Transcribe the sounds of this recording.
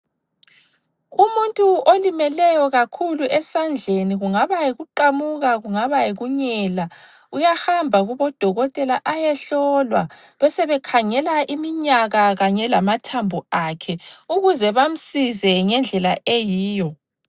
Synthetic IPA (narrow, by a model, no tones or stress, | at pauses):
ɣumuntʼuʔolimɛlɛjɔɣakʰuluʔɛsand͡ɮʱeniɣuŋaβajiɣuǃamuɣaɣuŋaβajiɣuɲɛːla | ujahambʱaɣuβɔd̥ʱɔɣɔtʼɛlaʔajɛɬɔːlwa | βɛsɛβɛkʰaŋɛlaʔimiɲaɣaɣaɲɛlamatʰambʱuakʰɛuɣuzɛβam̩sizɛŋɛnd͡ɮʱɛlaʔejiːjɔ